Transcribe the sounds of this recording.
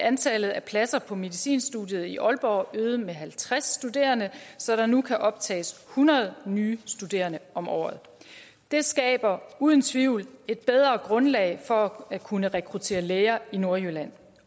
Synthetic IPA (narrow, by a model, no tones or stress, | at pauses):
ʔænt͡sʰɛlð̩ˠæpʰlæsɐpʰɒ̽me̝ðˠisḭːnsd̥ṵd̥jəð̞̩ˠiʔɒ̽lb̥ɒːøːð̞ˠmeɦælt͡sʰʁasd̥ud̥e̝̰ːɐnəsɒ̽ɾ̥ɑ̈nukʰæʔɒ̽b̥̚t͡sʰɛ̰ːshunɐð̞̩ˠnyːsd̥ud̥e̝̰ːɐnəɒ̽mʔɒ̰ːð̩ˠ | d̥e̝sɡ̥ɛ̰ːb̥ɐuːð̞ˠənt͡sʰʋiʊle̝d̥̚b̥eð̞ˠʁɐɡ̥ʁɔ̽nlɛ̰ɪfɒ̽ækʰunəʁɛkʰʁut͡sʰe̝̰ːɐleːɐino̝ɐjølæn̰